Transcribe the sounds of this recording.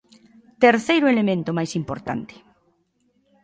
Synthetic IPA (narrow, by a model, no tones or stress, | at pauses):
t̪eɾθejɾʊelemẽnt̪ʊmajsimpo̰ɾt̪a̰nt̪ɪ̥